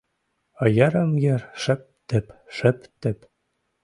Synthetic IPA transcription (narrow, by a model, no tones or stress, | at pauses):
ɤ̆jɑɾɤ̆mjɘɾʃɘ̆p̚t̪ɘ̆pʃɘ̆pt̪ɘ̆p